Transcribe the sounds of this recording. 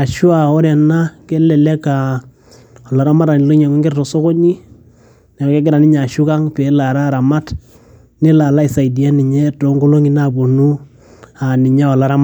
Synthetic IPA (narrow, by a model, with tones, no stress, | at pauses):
a˨ʃʊ˦a˨ɔ˦ɾɛ˨na˦kɛ˦lɛ˨lɛ˦ka˨ | ɔ˨la˨ɾa˦ma˦ɾa˨ni˨lo˦ɲɛ˨ŋo˦ŋɡɪ˦ɾtɔ˨so˦kɔ˦ɲi˦ | nɛ˨kɛ˦ɡ̬ɪ˦ɾa˨nɪ˦ɲa˨ʃʊ˦ka˦ŋpɛ˨˦la˨ɾa˦˨ɾa˨ma˦t | nɪ˦la˨la˦i˨sa˨i˨di˨a˦nɪ˨ɲɛ˦to˨˦ŋɡo˦lo˦ŋi˦na˦bo˨nu˦ | a˨nɪ˨ɲa˦ɔ˨la˦ɾa˦m